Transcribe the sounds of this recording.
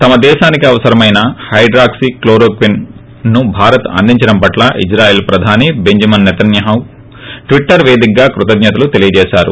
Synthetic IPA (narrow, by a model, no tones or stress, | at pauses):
t̪ɐmɐd̪ɛːʃaːnikiɐʋɐsɐɾɐmɐjnɐhɐjɖɾaːksikloːɾoːkʋinː | ubʱaːɾɐt̪ɐ̰nd̪iɲt͡ʃɐɽɐmpɐʈlaʔḭd͡ʒɾaːjeːlpɾɐd̪ʱaːnibe̞ɲd͡ʒɐmɐnːɛt̪ɐnjɐɦɐw | ʈʋiʈːɐɾʋeːd̪ik̚ɡaːkɾut̪ɐd̪ɲɐt̪ɐlut̪elijɐd͡ʒɛːʃaːɾṵ